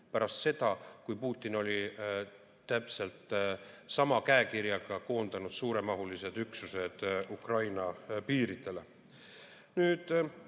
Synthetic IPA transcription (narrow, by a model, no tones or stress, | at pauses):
pæɾɑst̪se̞d̪̥ɑkujpuːt̪ːˑino̞lʲi | t̪æpse̞lt̪ˑsɑmɑkæekiɾjɑɡ̥ɑko̞ːnd̪̥ɑnud̪̥suːɾe̞mɑɦulised̪yksuse̞d̪̥ukrɑjnɑpiːɾit̪e̞le̞ | nyːd̪̥